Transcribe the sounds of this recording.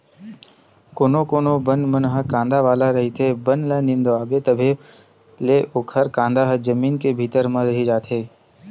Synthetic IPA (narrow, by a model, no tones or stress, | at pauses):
koːnokoːnobənmənɦəkãːnd̪aʋaːlaɾɐɦit̪ʰebənleːnɪ̃nd̪aːbet̪əbʱe | leːʔʊkʰəɾkãːnd̪aɦəd͡ʒəmiːnkebʱiːt̪əɾmə̃ɾɐɦid͡ʒaːt̪ɦeː